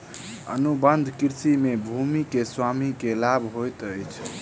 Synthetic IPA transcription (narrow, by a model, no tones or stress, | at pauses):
ə̰nubənd̪ʱkiɾsimebʱumikeswamikelabʱɦojt̪əjt͡ʃʰ